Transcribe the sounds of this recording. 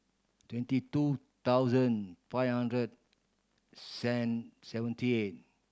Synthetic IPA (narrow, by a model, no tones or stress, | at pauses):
twɛ̃ntitu | t̪awzə̃nfajhãndɹəd̚ | sɛnsɛvə̃ntiet̚